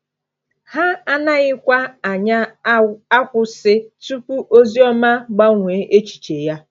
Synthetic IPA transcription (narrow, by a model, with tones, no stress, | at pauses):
ha˦a˦na˦ɣɪ˦kʷa˦˨ɲa˦a˦kʷʊ˦sɪ˦tu˦pu˦ʔo˦zi˦ɔ˦ma˦ɡ͡ba˦ŋʷe˨˦ʔe˦t͡ʃi̥˨t͡ʃe˨ja˦